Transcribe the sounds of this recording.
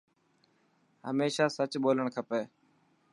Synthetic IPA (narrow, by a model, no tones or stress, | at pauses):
ɦə̰meːʃaːsət͡ʃɓoːləɳ̃kʰəpeː